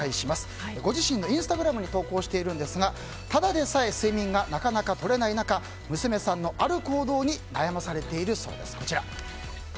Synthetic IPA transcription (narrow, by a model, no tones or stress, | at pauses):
aiɕimasɨ̥ɡo̞ʑiɕĩnːo̞ĩɰ̃sɨ̥t̪aɡɯ̟ɾamɯ̟ɲ̟it̪o̞ːko̞ːɕi̥t̪e̞iɾɯ̟̃nd̪e̞sɨɡa | t̪ad̪ad̪e̞saesɨimʲĩŋɡanakanakat̪o̞ɾe̞nainaka | mɯ̟sɨme̞sãnːo̞ʔaɾɯ̟ko̞ːd̪o̞ːɲ̟inajamasaɾe̞t̪e̞iɾɯ̟so̞̰ːd̪e̞̰sɨ̥ko̞t͡ɕiɾa